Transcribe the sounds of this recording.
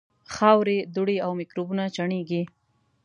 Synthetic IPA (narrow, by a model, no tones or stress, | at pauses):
xɑwɾed̪uɽeawmɪkɾobunat͡ʃaɳeɡi